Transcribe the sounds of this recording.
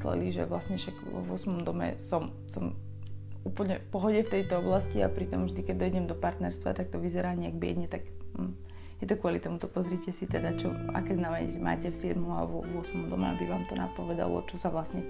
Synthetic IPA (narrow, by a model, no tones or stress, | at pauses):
lɛ̰liʒɛ̰ʋlasɲɛʃakʋɔ̰ʋʊɔsmɔmd̪ɔmɛ̰sɔm | sɔm | uːpl̩ɲɛfpɔɦɔɟɛft̪ɛjt̪ɔɔblascia̰pɾit̪ɔmvʒd̪ikɛd̪ɔjiɟɛmd̪ɔpaɾt̪nɛɾst̪ʋa̰t̪ak̚t̪ɔʋizɛɾaːɲɛaɡbɪɛ̰d̪ɲɛt̪aɡ̩ | jɛt̪ɔkʋɔlit̪ɔmut̪ɔpɔzɾicɛsit̪ɛd̪at͡ʃɔ̰a̰kɛːznamɛɲɛʒɛma̰ːcɛfsɪɛd̪mɔma̰ʋɔʋʊɔsmɔmd̪ɔmɛ̰a̰biʋaːmt̪ɔna̰pɔʋɛd̪a̰lɔ̰t͡ʃɔsaʋlasɲɛ